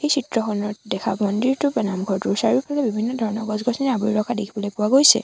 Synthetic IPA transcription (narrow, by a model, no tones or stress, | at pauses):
xejsitɹɔxɔnɔdɛxʰa̰bɔndiɹtʊbɛnamɡʱɔɹtʊɹsaɹiɹpʰalɛbibʱinːɔdʱɔɹɔnɔɡɔzɡɔsinɛabuiɹɔkʰadekʰibɔlojpʊwaɡojsɛ̰